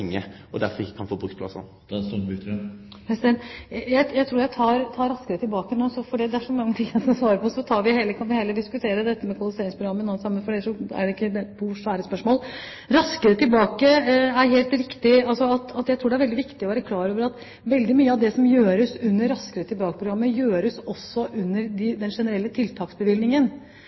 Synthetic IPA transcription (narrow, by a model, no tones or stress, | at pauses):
ŋːə̰ʔɔ̰d̪æ̰ɾfɔɾɪkːə̥kʰɑnfoːbuːkspʰlɑ̰sə̰n | pʰɾɛsd̪ɛnjæɪjæɪt̪ʰɾuːɾjæɪt̪ʰɑːɾt̪ʰɑːɾɑskəɾət̪ʰɪlbɑːkənoːsɔfɔɖɛd̪ɛæʂɔmɑŋːət̪ʰɪŋsɔsʋɑːɾəpʰɔɔsːɔt̪ʰɑːɾʋɪheːləkʰɑnʋɪheːləd̪ɪskʉt̪ʰeːɾəd̪ɛt̪ːəmɛkʰʊɑlɪseːɾɪŋspʰɾʊɡɑmːənoːsɑmːənfɔɖɛʂɔæ̰ɖɛɪkːəd̪ɛpʰuʂʋæːɾəspœʂmoːl | ɾɑskəɾət̪ɪlbɑːkəæɾɦeːlt̪ɾɪkt̪ɪɑlsɔɑt̪ɑt̪jæɪt̪ɾuːɖɛæɾʋɛld̪ɪʋɪkt̪ɪɔʋæːɾəkʰlɑːɾoːʋəɾɑt̪ | ʋɛld̪ɪmyːəɑʋd̪ɛsɔmjøːɾəsʉnːəɾːɑskəɾət̪ʰɪlbɑːkəpɾʊɡɾɑmːəjøːɾəsɔsːɔʔʉnːəɾd̪ɪd̪ɛnʂɛnəɾɛlːət̪ʰɪlt̪ʰɑːksbəʋɪlnɪŋən